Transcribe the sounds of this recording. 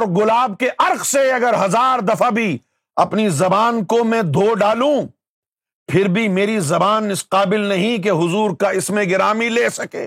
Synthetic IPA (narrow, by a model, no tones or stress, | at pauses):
ɾɡʊlaːb̚keʔɐɾqseɐɡəɾɦɐzaːɾd̪ɐfabʱi | ɐpnizɐbaːnkomɛ̃d̪ʱoːɖaːlũ | pʰɪɾbʱimeːɾizɐbaːnɪsqaːbɪlnɐɦĩk̬eɦʊzuːɾkaɪsmẽɡɪɾaːmileːsɐkḛː